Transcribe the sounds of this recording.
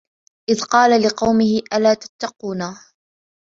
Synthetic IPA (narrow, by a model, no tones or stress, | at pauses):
ʔɪðqɑːlalɪqɑwmɪhɪʔalaːt̪ḁt̪ːɑquːnaː